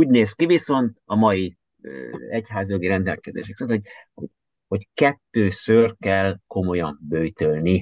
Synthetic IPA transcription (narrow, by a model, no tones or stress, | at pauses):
uːɟneːskiviso̞nt̪ɒmɒji | ɛchaːzijoɡiɾɛnd̪ɛ̰lkɛzḛːʃɛkisonhoɟ̚ho | ho̞ckɛt̪ːøːsørkɛlko̞mo̞jɒmbøjt̪ølni